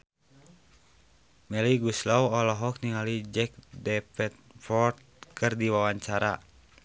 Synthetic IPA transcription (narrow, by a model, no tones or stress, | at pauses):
mɛliɡuslawɔlɔɦɔk̚niŋalid͡ʒɛk̚dɛpɛt̪̚ | fɔrt̪̚kʰɨrdiwawaɲt͡ʃaɾa